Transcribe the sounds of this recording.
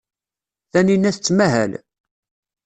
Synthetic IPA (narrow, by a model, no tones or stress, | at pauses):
θæninːæθt͡sːmæɦæ̰l